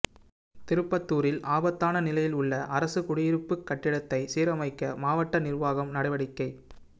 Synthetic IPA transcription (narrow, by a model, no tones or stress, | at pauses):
t̪ɪɾɯpːɐt̪ːuːɾɪlʔaːbɐt̪ːaːnɐnɪlɐjɪlʊɭːɐʔɐɾɐsɯkʊɽɪjɪɾɯpːɯkːɐʈːɪɽɐt̪ːɐɪsiːɾɐmɐɪkːɐmaːʋɐʈːɐnɪrʋaːɣɐmnɐɽɐɪʋɐɽɪkːɐɪ